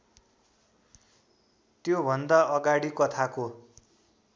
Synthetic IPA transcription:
t̪jobʱʌnd̪aʌɡaɽikʌt̪ʰako

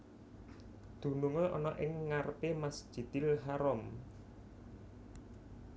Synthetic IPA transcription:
d̪̥ṳnuŋoʔɔ̰nɔʔɪŋːarpemasd̥ʒ̥i̤d̪̥ilɦaɾɔm

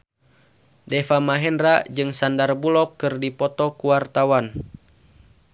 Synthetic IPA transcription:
dɛfamaɦɛnrad͡ʒɨŋsandarbulɔkːɨrdipɔt̪ɔkuwart̪awan

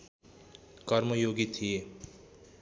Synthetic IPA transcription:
kʌɾmojoɡit̪ʰije

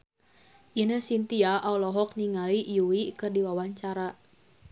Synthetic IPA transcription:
ʔinəhsint̪iaʔaulɔɦɔk̚niŋalijuwikɨrdiwawaɲt͡ʃaɾa

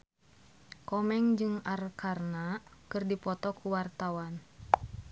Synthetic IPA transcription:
kɔmɛŋd͡ʒɨŋarkarnakɨrdipɔt̪ɔkuwart̪awan

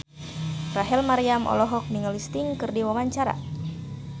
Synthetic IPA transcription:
raɦɛlmaɾiamʔɔ̰lɔɦɔk̚miŋəlist̪iŋkɨrdiwawaɲt͡ʃaɾa̰

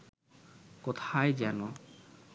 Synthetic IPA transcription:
kɔt̪ʰajd͡ʒanɔ

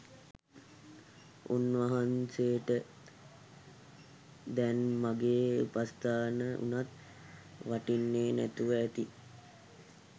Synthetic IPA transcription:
unʋaɦanseːʈə | d̪ɛnmaɡeːpast̪aːnəʔṵnat̪ | ʋaʈinːeːnæ̰t̪uʋəːt̪i

